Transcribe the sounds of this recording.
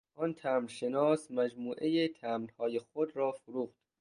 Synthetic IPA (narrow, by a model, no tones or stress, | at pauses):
ʔɒnt̪ʰæːmɾʃenɒːsmæd͡ʒmuːʔejet̪ʰæːmrhɒːjexod̪ɾɒːfoɾuːxd̪̥